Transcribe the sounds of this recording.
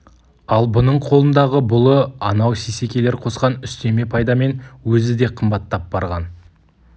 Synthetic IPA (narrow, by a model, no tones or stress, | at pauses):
ɑlˠbʊnəɴqʰo̞lˠənd̪ɑʁəbʊlˠəɑnɑwsise̞kʲe̞le̞ɾqʰo̞sqɑnʏst̪e̞me̞pʰɑjd̪ɑme̞nwɵzɪd̪e̞qʰəmbɑt̪ːɑp̚b̥ɑɾʁɑ̰n